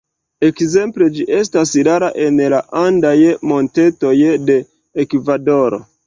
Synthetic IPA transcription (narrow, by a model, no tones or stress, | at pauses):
e̞kze̞mple̞d͡ʒiʔe̞s̬tasɾaɾaʔe̞nlaʔandajmo̞nte̞to̞jde̞ː | kvado̞ɾo̰